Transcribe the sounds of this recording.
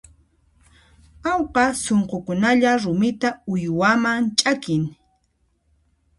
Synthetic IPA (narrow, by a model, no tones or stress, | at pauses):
awqɑsoɴqokʊnaʎaɾʊmɪt̪aʊjwamaŋt͡ʃʼakɪŋ